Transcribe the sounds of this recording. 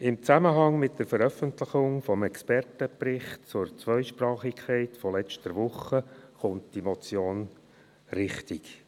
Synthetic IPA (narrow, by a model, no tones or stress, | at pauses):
ɪmt͡sæməɦɑŋmɪt̚d̥əɾfəɾœfəntlɪχʊŋfɔmɛkspɛrtəprɪχtt͡sʊɾt͡sʋœʏʃpɾɑːχɪkʰχɛɪtfɔlɛt͡ʃtəɾʋʊχːəχʊntd̥imɔt͡sjoːn | ɾɪχtik